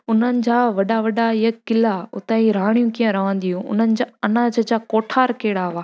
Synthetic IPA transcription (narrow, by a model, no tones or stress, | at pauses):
ʊn̤ənɪ̆d͡ʑaːʋɐɗaʋɐɗaɪəkɪlaʊt̪aiɾaːɽ̃jũkiːə̃ɾɐʋə̃nd̪iɦũʊ̰n̤ənɪ̆d͡ʑaːɐnaːd͡ʑəd͡ʑaːkoːʈʰaːɾkeːɽaʋaː